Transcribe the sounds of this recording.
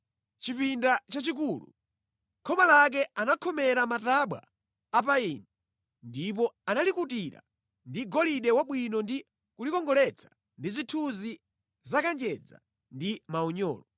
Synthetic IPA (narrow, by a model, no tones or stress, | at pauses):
t͡ʃipindat͡ʃat͡ʃik̬uːlṵ | kʰɔmalak̬ɛanakʰɔmɛɾamataɓwa̰ː | p̬aini | ndip̬ɔanalikutiɾa̰ | ndiɡɔliɗɛwaɓwinɔndi | kulikɔŋɡɔlɛt͡sʰḁ | ndizitʰuzi | zakand͡ʒɛd͡za̰ | ndimaɔɲɔ̰ːlɔ